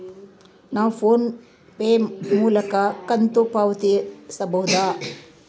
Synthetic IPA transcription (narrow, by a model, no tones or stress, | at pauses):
naːʋpʰoːn | peːmuːlɐkɐkɐnt̪upaːʋɐt̪isɐboːd̪aː